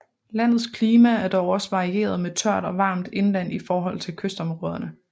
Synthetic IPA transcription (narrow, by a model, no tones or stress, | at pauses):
læn̰ð̩ˠskʰliːmææɐd̥ɒʊɒ̽səʋɑ̈ʁie̝̰ːɐð̞ˠmet͡sʰɶɐ̰d̥ɒ̽ʋɑ̈ːmd̥e̝nlæn̰ifɒːɦɒ̽l̰t͡sʰe̝lkʰøsd̥ɒ̽mʁɔːð̞ˠɐnə